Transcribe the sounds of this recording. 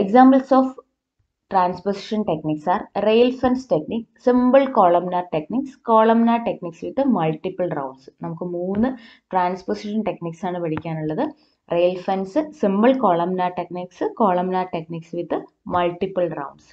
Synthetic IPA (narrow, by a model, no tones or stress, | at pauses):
eksaːmbɐlsoːf | ʈraːnsposiʂɐnʈekniksaːrrejlfɐnsʈekniksimbɨɭkoːɭɐmnaːʈekniksko̞ːɭɐmnaːʈekniksʋit̪ːɨmɐlʈipːɐlɖrɐ̰wɳɖsɨ̥nɐmukːɨmuːnːɨ | ʈraːnsposiʂɐnʈekniksaːɳɨpɐɽikʲːaːnuɭːɐðɨ | rejlfɐnsɨsimbɨlkoːɭɐmnaːʈekniksɨko̞ːɭɐmnaːrʈekniːksʋit̪ːɨ | mɐlʈːipːɐɭrɐ̰wɳɖs